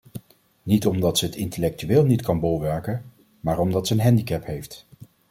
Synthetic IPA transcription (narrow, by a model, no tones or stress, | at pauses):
nitɔmdɑtsəɦətɪntəlɛk̚tyʋeːlˠnitkɑnbolˠʋɛɹkən | maːɹɔmdɑtsəənɦɛndikɛpɦejft